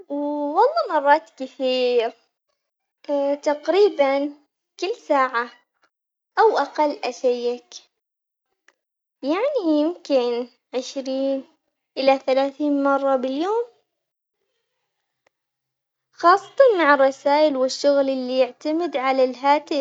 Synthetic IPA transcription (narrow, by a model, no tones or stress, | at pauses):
wwɑlˤːɑːmɑrˤːɑːt̪kɪθiːɾ | t̪aqɾiːban | kɪlːsaːʕa | ʔawʔaqɑlːʔaʃajːak | jaʕnijɪmkɪn | ʕɪʃɾiːn | ʔɪlaθalaːθiːnmɑrˤːɑbɪljoːm | xɑːsˤːɑ̥t̪ˤɑnmaʕɪrˤːɑsaːʔɪlwɪʃːʊɣlʔɪlːijɪʕt̪amɪd̪ʕalalɦaːt̪ɪ